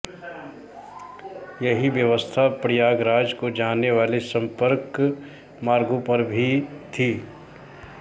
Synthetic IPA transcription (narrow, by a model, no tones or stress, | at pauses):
jɐɦiʋjəʋəst̪ʰapɾɪjaːɡɾaːd͡ʒkod͡ʒaːneʋaːlesɐ̃mpəɾk | maːɾɡõpɐɾbʱit̪ʰiː